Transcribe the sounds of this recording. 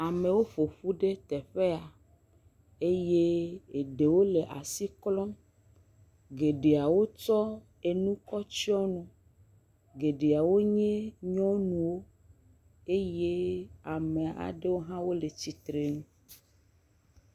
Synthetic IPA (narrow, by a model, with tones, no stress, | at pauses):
a˨mẽ˨wo˦ɸo˨ɸu˦ɖe˦t̪ɛ˨ɸe˦a˨ | e˦je˦e˨ɖe˨wo˦le˨ʔa̰˨si˦klɔ̃˦ | ɡe˨ɖe˨a˨wo˦t͡ʃɔ˦ | e˨nũ˦kɔ˦t͡ɕi˦ɔ˦nɔ̃˨ | ɡe˨ɖe˨a˨wo˦ɲẽ˦ɲɔ̃˦nũ˨wo˦ | e˦je˦a˨mẽ˨a̰˨ɖe˦wo˦ɦã˦wo˦le˨t͡ɕi˨t̪ɾe˨nũ˦